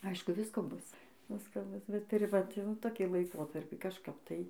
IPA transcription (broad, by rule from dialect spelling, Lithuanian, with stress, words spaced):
ˈɐɪʃkʊ ˈʋʲɪskoː ˈbʊs ˈʋʲɪskoː ˈbʊs bʲɛt tʊˈrʲɪ ʋɐt jɛʊ toːˈkʲiː lˠɐɪˈkoːtɐrʲpʲiː kɐʃˈkɐp tɐɪ